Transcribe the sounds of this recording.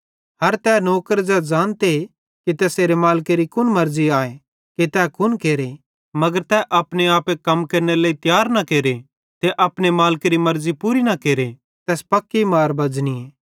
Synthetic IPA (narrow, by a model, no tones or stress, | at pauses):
ɦɐɾt̪ɛnoːkəɾd͡ʒɐd͡ʒaːnt̪e | kit̪ɛːseːɾemaːlkeɾikʊnmɐɾziaːe | ket̪ɛːkʰʊnkeːɾe | mɐɡəɾt̪ɛʔɐpneaːpekɐmkɐɾñelaːit̪jaːɾnɐkeːɾe | t̪eʔɐpnemaːlkeɾimɐɾzipuːɾinɐkeːɾe | t̪ɛːspɐkːimaːɾbɐd͡ʒnieː